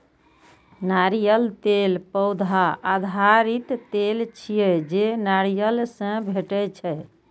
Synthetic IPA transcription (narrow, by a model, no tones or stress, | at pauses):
naɾijəlt̪elpəwd̪ʱaad̪ʱaɾit̪t̪elt͡ʃʰijɛd͡ʒenaɾijəlsə̃bʱeʈɛt͡ʃʰɛ